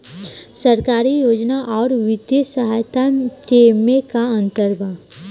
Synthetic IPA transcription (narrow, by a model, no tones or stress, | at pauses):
səɾkaːɾijoːd͡ʒnaʔɔːɾʋɪd̪jəsəɦaːjt̪at͡ʃemekaə̃nt̪əɾbʱa